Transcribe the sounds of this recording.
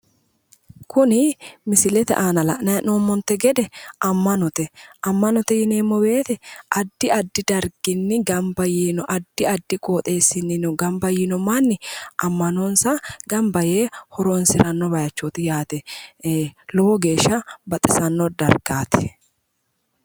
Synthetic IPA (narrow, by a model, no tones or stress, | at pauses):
kʰʊnɪmɪsɪlɛt̪ɛ̰ʔaːnɐlɐ̰ʔnɐnoːmːɔnt̪ːɛɡɛd̪ɛʔɐmːɐnɔt̪ɛʔɐmːɐnɔt̪ɛjɪneːmːɔbe̞ːt̪ɛʔɐd̪ːɪɐd̪ːɪd̪ɐɾɡ̥ɪnːɪɡɐmbɐjiːnɔʔɐd̪ːɪɐd̪ːɪkʼoːt̪ʼe̞ːsːɪnːɪnɔɡɐmbɐjinɔmanːɪʔɐmːɐnonsɐɡ̥ɐmbɐjeːhɔɾoːnsɪɾɐnːɔbɐjɐt͡ʃːot̪ɪjaːt̪ɛ | lɔwɔɡe̞ːʃːɐbɐt̪ʼɪsɐnːɔd̪ɐɾɡ̥aːt̪ɪ̥